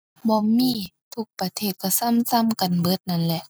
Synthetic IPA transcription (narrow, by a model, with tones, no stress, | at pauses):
bɔː˧˦miː˧˥˨ | t̪ʰu˧˩k̚pa˧t̪ʰeː˧˩t̪̚ka˧˩sa˧˥˨msa˧˥˨mka˨nbɤː˧˥˨t̪̚na˧˥nlɛ˧˨ʔ